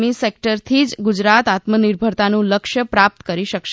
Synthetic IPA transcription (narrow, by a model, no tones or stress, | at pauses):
misek̚ʈəɾt̪ʰid͡ʒɡud͡ʒɾat̪at̪məniɾbʱəɾt̪anũləkʃjəpɾap̚t̪kəɾiʃəkʃ